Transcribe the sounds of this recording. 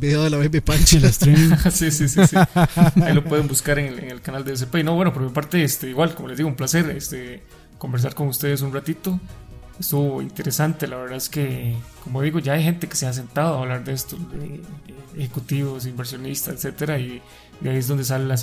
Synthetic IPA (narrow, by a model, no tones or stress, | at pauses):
biðaðelaβebepant͡ʃelast̪ɾiasisisisiailopweðembuskaɾeŋeeŋelkanald̪ees̬epeino̞βwe̞nopoɾmipaɾt̪eest̪eiɣwalkomolezd̪iɣoumplase̞ɾest̪e | ko̞mbe̞ɾs̬aɾko̞ŋust̪e̞ð̞es̬unrat̪it̪o | est̪uβoḭnt̪eɾesant̪e̞laβe̞ɾðaðeskekomoðiɣo̞ʝaajxe̞nt̪eke̥seas̬e̞nt̪aðoaβlaɾd̪eest̪oðeexekut̪iβos̬imbe̞ɾs̬jo̞nist̪aset̪set̪eɾai | aiezd̪ond̪e̞s̬alelas